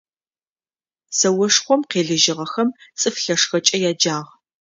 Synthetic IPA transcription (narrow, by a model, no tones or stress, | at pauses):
sɐwɔʂχʷɔmqeːɮɨʒɪʁɐxɐmt͡sʼɨfɬɐʂxɐt͡ʃʼɐjaːd͡ʒaːʁ